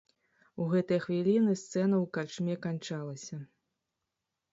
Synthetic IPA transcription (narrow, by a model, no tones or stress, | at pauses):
uɣɛt̪ɐjɐxvʲilʲinɨst̪sɛnɐwkart͡ʂmʲɛkant͡ʂalˠɐsʲɐ